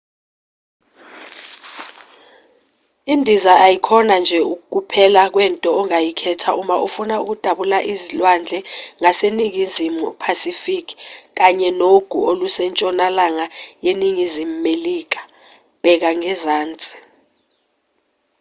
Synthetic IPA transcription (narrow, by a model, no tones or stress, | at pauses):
indʱizaʔajikʰɔnand͡ʒʱɛuk̬uk̬ʼupʰɛlak̬wɛntʼɔɔŋajikʰɛtʰaʔumaufunauk̬ud̥ʱaɓulaʔizilwand͡ɮʱɛŋaseniŋizimupʰasifikʰi̥k̬aɲɛnoɡ̥ʱuolusɛnt͡ʃʼɔnalaŋajeniŋizimumeliːk̬ḁ | b̥ʱɛk̬aŋɛzaːnt͡sʼi̥